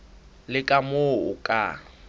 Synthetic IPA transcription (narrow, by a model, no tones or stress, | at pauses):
lɪkʼamoʊ̰kʼa̰